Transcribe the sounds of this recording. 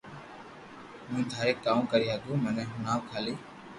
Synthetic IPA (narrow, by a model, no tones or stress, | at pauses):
mũːd̪ʱaːɾeːkːaːmũːkəɾiːɦaːɡ̪uːmənɛ̃ːɦʊnaːʋkʰaːliː